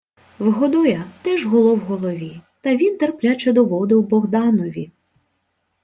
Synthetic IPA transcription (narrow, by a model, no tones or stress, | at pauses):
wɦɔd̪ɔjɐt̪ɛʒɦɔlˠɔwɦɔlˠɔʋʲit̪ɐʋʲint̪erplʲat͡ʃɛd̪ɔʋɔd̪ɪwbɔɦd̪ɑnɔʋʲi